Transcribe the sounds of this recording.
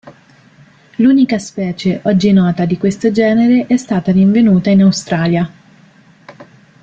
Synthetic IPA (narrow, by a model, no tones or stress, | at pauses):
luːnikaspɛːt͡ʃeʔɔd͡ʒːinɔːt̪ad̪ikwest̪od͡ʒɛːneɾeʔɛst̪aːt̪aɾiɱvenuːt̪ainawst̪ɾaːlja